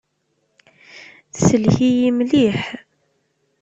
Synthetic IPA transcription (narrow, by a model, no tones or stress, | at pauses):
səlhijimliħ